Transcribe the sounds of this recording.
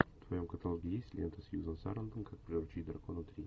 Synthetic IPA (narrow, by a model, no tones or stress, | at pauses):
ft̪vɐjo̞mkət̪ɐlˠoɡʲɪjesʲtʲlʲent̪əsjuzənsa̰ɾənd̪əmkak̚pɾʲɪɾʊt͡ɕid̪ɾɐkonət̪ɾʲi